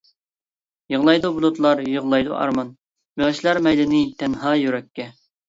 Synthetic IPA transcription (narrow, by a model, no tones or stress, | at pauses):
jəʁlˠɑjd̪ubulˠut̪lˠɑɾjɨʁlˠɑjd̪ṵʔɑ̰ɾmɑn | beʁəʃlˠɑɾmɛjlɪnɪt̪ʰɛnɦɑːjyɾɛkʲːɛ